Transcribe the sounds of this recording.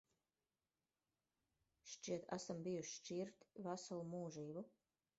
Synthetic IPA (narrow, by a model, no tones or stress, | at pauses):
ʃt͡ʃiɛt̪ʰæ̰sambijuʃt͡ʃiɾt̪vasalˠumuːʒiːbu